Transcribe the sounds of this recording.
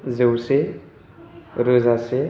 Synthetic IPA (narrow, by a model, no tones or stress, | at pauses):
zewse | ɾəzase